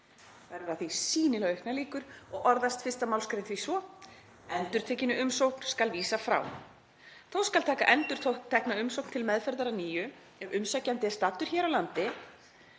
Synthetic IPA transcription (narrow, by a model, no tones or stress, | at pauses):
θaɛɾʏɾaθvisiːnɪlaɣœhknaliːkʏɾ̥ɔɣɔɾðast̪fɪr̥st̪amawlskɾejnθvisvɔ | ɛnt̪ʏɾ̥t̪ʰɛːcɪnʏʏmsowkn̥skalviːsafɾa̰ːw | θowskalt̪ʰɛːka̰ʔɛnt̪ʏɾ̥ʰot̪ʰɛhknaʏmsowkn̥t̪ʰɪlmɛðfɛɾðaɾaniːjʏ | ɛvʏmsacːant̪ɪst̪aːt̪ʏɾ̥çɛːɾawlant̪ɪ